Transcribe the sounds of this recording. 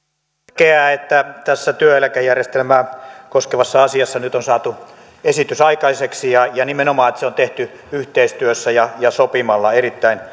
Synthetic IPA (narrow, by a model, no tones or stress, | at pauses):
keæet̪ːæt̪æsːæt̪yøelækæjærjest̪elmæːkoskeʋɑsːɑɑsiɑsːɑnyt̪onsɑːt̪u | esit̪ysɑikɑiseksijɑjɑnimenomɑːet̪seont̪eht̪y | yht̪eist̪yøsːæjɑjɑsopimɑlːɑerit̪ːæin